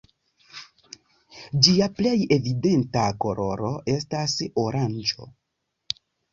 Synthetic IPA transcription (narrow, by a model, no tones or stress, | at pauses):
d͡ʒiaple̞je̞vide̞ntako̞ɾo̞ɾo̞ʔe̞stasoɾʔand͡ʒo̞̰